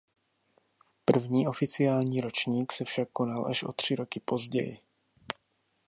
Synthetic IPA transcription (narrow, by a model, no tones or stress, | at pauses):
pr̩vɲiːʔo̞fɪt͡sɪjaːlɲiːɾo̞t͡ʃɲiːksɛfʃakːo̞nalʔa̰ʃʔo̞̰t̪r̝̥ɪɾo̞kɪpo̞zɟɛ̰jɪ̰